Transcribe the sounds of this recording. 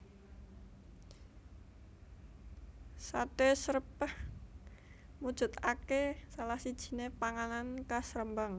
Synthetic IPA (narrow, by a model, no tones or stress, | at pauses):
satesəɾəpəh | mud̥ʒ̥ṳt̪akesalahsid̥ʒ̥i̤nepaŋanankasɾəmbaŋ